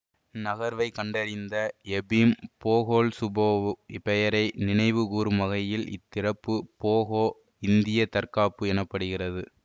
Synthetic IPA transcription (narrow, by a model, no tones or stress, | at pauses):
nɐɣɐɾʋɐɪkɐɳɖɐɾɪnd̪ɐɛbimpoːɣoːlsʊbɐʋɪpɛjɐɾɐɪnɪnɐɪʋɯkuːɾɯmɐɣɐjɪlɪ̰t̪ːɪrɐpːɯpoːɣoː | ɪnd̪ɪjɐt̪ɐɾkaːpːɯɛnɐpːɐɽɯɣɪrɐðɯ